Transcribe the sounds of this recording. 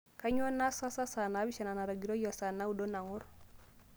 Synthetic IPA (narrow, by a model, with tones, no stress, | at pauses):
ka˦ɲ˦ɔ˦na˦sa˦sa˦sa˨na˨˦bi˦ʃa˨na˨na˨ɾa˨ɡi˨ɾo˦jɔ˨sa˨na˦u˨do˦na˨ŋʊ˦ɾ